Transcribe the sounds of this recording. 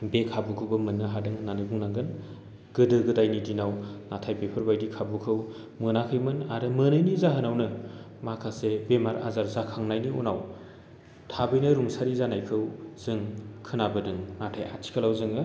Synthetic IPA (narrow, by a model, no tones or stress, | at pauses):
bekʰabukʰɯwbɐmɯnːɯɦadɯŋnanɯbuŋnaŋɡɯn | ɡ̥ɯdɯɡɯdajnidinawnatʰajbepʰɯɾbajdikʰabukʰɯw | mɯnakʰɯjmɯnaɾɯmɯnɯjnizaɦɯnawnɯ | makʰasebemaɾa̰zaɾzakʰaŋnajnionaw | tʰabɯjnɐɾuŋsaɾizanajkʰɯwzɯŋkʰɯnabɯdɯŋnatʰaja̰tʰi̥kʰalawzɯŋɯ